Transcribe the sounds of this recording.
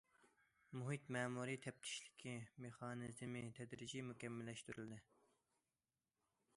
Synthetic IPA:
muɦit̪mɛːmuɾit̪ʰɛp̚t̪ʰi̥ʃlɪ̥kʲʰimeχɑːnɨzmit̪ʰɛd̪ɾɪd͡ʒimukʲɛmːɪlːɛʃt̪yɾyld̪ɪ

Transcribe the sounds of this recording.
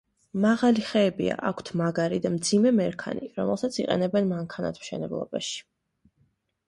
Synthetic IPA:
maʁaliχɛːbḭa̰ʔakʷʰt̪ʰmaɡaɾid̪amd̪zimɛmɛɾkʰa̰niɾɔmɛlˠsat̪sʰiqʼɛ̰nɛbɛnmaŋkʰana̰t̪ʰmʃɛnɛblˠɔ̰baʃi̥

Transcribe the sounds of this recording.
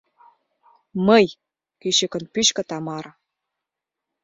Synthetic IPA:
məj | kyɕəkə̆npyɕkɤ̆t̪ɑmɑɾ

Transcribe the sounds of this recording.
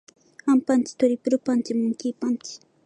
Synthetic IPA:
ampant͡ʃɪ̥t̪ʊɾɪpɾʊpant͡ʃɪmʊŋkipant͡ʃɪ̥

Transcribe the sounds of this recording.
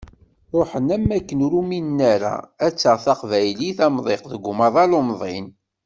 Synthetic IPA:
ɾˤoħənæmːækːənɾuminnːæɾæ̰æt͡sːəʁθɑqvæjliθɑmðˤeqðəɡʷʊmɑðˤɑlomðˤɪn

